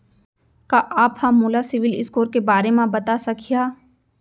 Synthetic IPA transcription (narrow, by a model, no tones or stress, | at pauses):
kaʔaːphɐ̃mːoːlasɪʋɪlɪ̰skoːɾkebaːɾemãbɐt̪asɐkʰijaː